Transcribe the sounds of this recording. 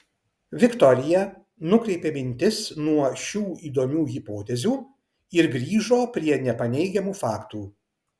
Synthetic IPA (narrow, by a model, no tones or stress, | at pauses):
ʋʲɪkt̪ɔɾʲɪjɛ | nʊkɾʲɛɪpʲeːmʲɪnʲt̪ʲɪsnuɔʃʲuːiːd̪oːmʲuːɣʲɪpoːt̪ʲɛzʲuː | ɪɾɡɾʲiːʒoːpʲɾʲiɛnʲɛpɐnʲɛɪɡʲɛmuːfɑːkt̪uː